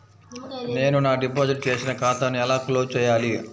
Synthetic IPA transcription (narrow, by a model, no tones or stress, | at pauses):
ne̞ːnunaːɖipoːd͡ʒiʈ̚t͡ʃeːsinɐkaːt̪ɐnuɛlaːkloːzt͡ʃɛːjːaːli